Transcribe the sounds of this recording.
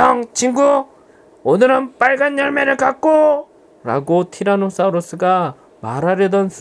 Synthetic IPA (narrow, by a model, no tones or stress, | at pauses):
ʌŋt͡ɕʰiŋɡu | onɯɾɯnp͈aɭɡanjʌɭmeɾɯɭkak̚k͈o | ɾa̰ɡotʰiɾanos͈aɾos͈ɯɡa | maɾɦaɾjʌdʌns